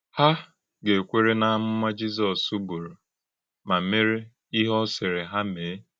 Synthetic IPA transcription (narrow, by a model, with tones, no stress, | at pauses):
ha˦ | ɡe˨kʷe˦ɾe˦na˦mʊ˦ma˦d͡ʒi˦z̬ɔ˨su˦bu˨ɾu˨ | ma˨me˦ɾi˦ | i˦ɦɔ˦sɪ˨ɾɪ˨ɦa˦meː˨˦